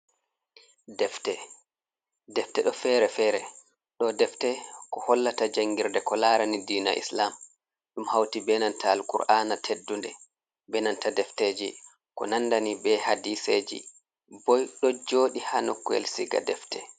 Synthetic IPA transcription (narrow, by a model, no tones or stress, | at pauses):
dɛftɛ | dɛftɛɗɔfɛɾɛfɛːɾɛ | ɗɔdɛftɛkɔhɔlːatad͡ʒaŋɡiɾdɛkɔlaɾanidiːna̰ʔḭslam | ɗumhawtibɛnantaːlkṵɾʔanatʰedːundɛ | bɛnantadɛfteːd͡ʒḭ | kɔ̰nanːdanibɛhadised͡ʒḭ | bɔjɗɔd͡ʒoːɗihanɔkːɔḛlsiɡa̰dɛftɛ